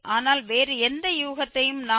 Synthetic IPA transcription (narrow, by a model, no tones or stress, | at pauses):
ʔaːnaːlʋeːɾɯɛnd̪ɐjuːɣɐt̪ːɐjɯmnaː